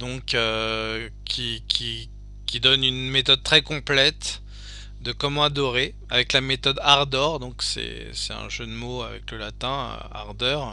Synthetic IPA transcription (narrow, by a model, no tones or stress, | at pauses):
d̪ɔ̃kø | kʲʰikʲʰi | kʲid̪ɔnynmet̪ɔd̪̚t̪χɛkɔ̃plɛt̪ | d̪əkɔmɑ̃ad̪ɔʁe | avɛklamet̪ɔd̪aʁd̪ɔʁd̪ɔ̃ksɛ̰ | sɛ̥t̪ɛ̰̃ʒød̪moa̰vɛ̰kləlat̪ɛ̃ø̰a̰ʁd̪œʁ